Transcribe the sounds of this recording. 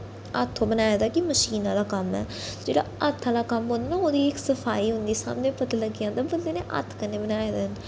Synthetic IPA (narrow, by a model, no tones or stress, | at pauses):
ə̰t̪ʰːõːbənaːjaːd̪aːkiməʃiːnãːd̪aːkəmɛ̰ː | d͡ʒeːɽa̰ːət̪ʰːãːd̪aːkəmɦõnd̪aːnãːoːd̪iːɪksəpʰaːiːɦʊ̃nd̪iːsa̰ːmnẽːpət̪aːləɡijãːd̪abəd̪leːneːʔə̰t̪ʰkəneːbənaːjaːd̪ɪn